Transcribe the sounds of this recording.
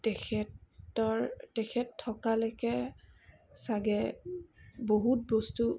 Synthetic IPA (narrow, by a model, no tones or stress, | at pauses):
tɛkʰɛɔɹtɛkʰɛtʰːɔkalokɛ | saɡɛ | boɦut̚bostu